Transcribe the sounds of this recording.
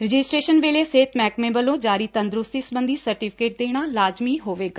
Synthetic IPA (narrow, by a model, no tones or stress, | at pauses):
ɾɪd͡ʒɪsʈɾeːʃənʋeːleːseːt̪mɛːkmẽːbəlõːd͡ʒaːɾiːt̪ə̃nd̪ɾʊst̪iːsəbə̃nd̪iːsəɾʈipʰɪkeːʈ̚d̪eːɽ̃aːlaːd͡ʒmiːɦoːʋeːɡaː